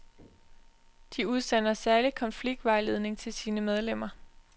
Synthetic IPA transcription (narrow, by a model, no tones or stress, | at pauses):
d̥iuðˠsenɐsæɐlikʰɒ̽nfliɡ̥̚d̥ʋɑ̈ɪle̝ð̞ˠne̝ŋt͡sʰe̝lsiːnəmeð̞ˠlem̰ɐ